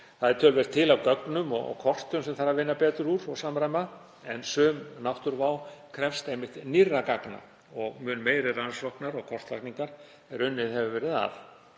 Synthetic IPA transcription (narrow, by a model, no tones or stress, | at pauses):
θaðɛɾt̪ʰœːlvɛɾ̥t̪ʰːɪlawkœknʏmɔɣɔ̰kʰɔr̥t̪ʏmsɛmθaɾːavɪnːapɛːt̪ʏɾuɾɔɣsaːmɾajma | ɛnsœːmnawht̪ʏɾvaːwkʰɾɛfst̪ejmɪht̪nirːakakna̰ | ɔɣmʏnmeːjɾɪransɔhknaɾɔɣkʰɔr̥t̪lakniŋkaɾ̥ | ɛɾʏnːɪðɦɛvʏvɛːɾɪða̰f